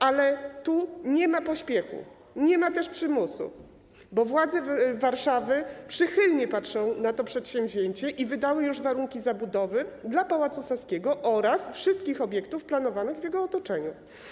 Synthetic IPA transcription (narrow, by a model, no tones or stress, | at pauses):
alɛt̪uɲɛmapɔɕpʲjɛxṵ | ɲɛmat̪ɛʂpʂɘmusṵ | bɔvwad̪zɛvaɾʂavɘpʂɘxɘlɲɛpatʂɔ̃w̃nat̪ɔpʂɛt̪ɕɛmvʑeɲt͡ɕɛʔivɘd̪awɘjuʐvaɾuŋkʲizabud̪ɔvɘd̪lapawat̪susaskʲɛɡɔʔɔɾasfʂɘst̪̚kʲixɔbʲjɛk̚t̪ufplanɔvanɘɣvjɛɡɔːt̪ɔt͡ʂɛɲu